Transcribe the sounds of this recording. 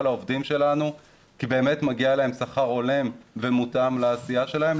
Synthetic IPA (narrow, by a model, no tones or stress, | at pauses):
laovdimʃe̞lanu | kibe̞ːme̞tmaɡialaɦe̞msaχaʁo̞le̞mvemutamlaːsijaʃe̞lahe̞m